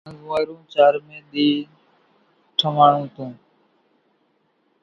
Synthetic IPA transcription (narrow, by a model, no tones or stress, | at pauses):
ə̃zũaːɾũːt͡ʃaːɾmẽːɗ̪iː | ʈʰəmaːɳ̤ũːt̪ũː